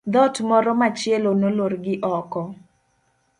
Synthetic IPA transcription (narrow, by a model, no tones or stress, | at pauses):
d̪ɔtmɔɾɔmat͡ʃjɛlonoloɾɡɪʔɔkɔ